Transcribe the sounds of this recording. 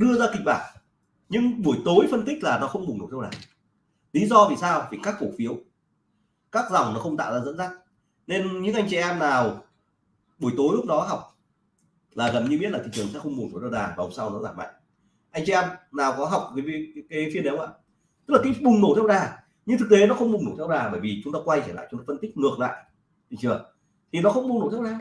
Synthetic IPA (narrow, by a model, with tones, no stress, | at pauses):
ɗɨ˧əzaː˧kï˨˩k̟̚ɓaː˧˩n | ɲɨ˧ŋɓu˧˩əjt̪o˨˦jfə˧nt̪i˦˥k̚laː˨˩nɔ˨˦xə˧wŋ͡mɓŋno̰˨˩t̪ʰːwɗa̰ː˨˩ | li˨˦zɔ˧vi˨˩saː˧wvi˨˩kaː˦˥k̚fo˧˩fi˨˦əw | kaː˦˥k̚za˨˩wŋ͡mnɔ˨˦xə˧wŋ͡mt̪a̰ː˧˨wzaː˧zə̰˧˥nza˦˥k̚ | ne˧nɲɨ̰˧˥ŋʔa˧jŋ̟t͡ɕɛ˨ʔɛ˧mnaː˨˩w | ɓu˧˩jt̪o˨˦jlu˦˥k͡p̚nɔ˨˦ɦa˨˩wk͡p̚ | laː˨˩ɣə˨˩mɲɨ˧ɓi˦˥tlaː˨˩ḭ˨t͡ɕɨ˨˩əŋsɛ̰˧˥xə˧wŋ͡mmu˨˩t̪ʰo˧˩t̪ʰwɗaː˨˩vaː˨˩hʊ˨˩ŋ͡msa˧wnɔ˨˦zaː˧˩ma̰˧˨jŋ | ʔa˧jŋt͡ɕɛ̰˧˨ʔɛ˧mnaː˨˩wkɔ˨˦ɦa˨˩wk͡p̚vaː˨˦˨kaː˨˦fi˧ənə˨˦wa̰ː˧˨ | t̪ɨ˦˥laː˨˩ki˧˥˦ɓʊ˨˩ŋ͡mno˧˩t̪ʰɛ˧wɗaː˨˩ | ɲɨ˧ŋt̪ɨ˨˩k̚t̪e˨˦nɔ˨˦xə˧wŋ͡mɓʊ˨˩ŋ͡mŋno˧˩t̪ʰɛ˧wɗaː˨˩ɓəː˧˩jvi˨˩t͡ɕʊ˨˦ŋ͡mt̪aː˧kwa˧jt͡ɕa˧˩la̰ː˧˨t͡ɕɔ˧no˨˦fə˧nt̪ï˦˥k̟̚ŋɨ˨˩əkla̰ː˧˨j | tḭ˧˨t͡ɕɨ̰˨˧˩ə | t̪ʰi˨˩nɔ˨˦xə˧wŋ͡mɓŋ͡mno˧˩t̪ʰɛ˧wɗaː˨˩w